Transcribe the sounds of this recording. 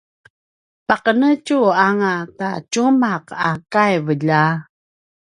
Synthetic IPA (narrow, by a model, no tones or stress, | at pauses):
paqənət͡ʃuaŋata̰t͡ʃumaqakajvəʎa